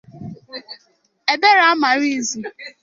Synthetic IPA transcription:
e˨be˦ɾa˦a˦ma˨ɾi˦˨zi˨

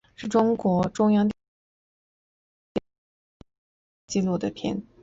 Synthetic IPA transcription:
ʂɻ̩˥˩ʈ͡ʂʊ˥ŋkwɔ˧˥ʈ͡ʂʊ˥ŋjɑ˥ŋt̪ | t͡ɕi˥˧lu˥˩d̪ə˩pʰjɛ̰˥n

